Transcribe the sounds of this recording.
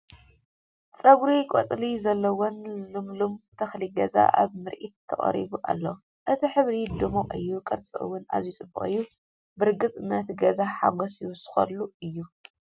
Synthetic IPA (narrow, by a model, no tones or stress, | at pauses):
t͡sʼɐβɾikʼɔ̰t͡s̪ʼlizɐlːɐwonlɨmlumt̪ʰɐxliɡɐza̰ʔa̰βmɨɾʔḭt̪ʰːɐ̰χʼɐ̰ɾḭβuʔa̰lːo | ʔɨt̪ʰiħɨβɾid̪ɨmoʔʼɨjːukʼɐɾt͡sʼɐʔɨ̰wːʊna̰zjut͡sʼɨbːɨχʼɨjːu | bɨɾɡɨt͡sʼɨnɐt̪ʰɡɐzaħa̰ɡɔsjsɨ̥xɐ̰lːuɨjːu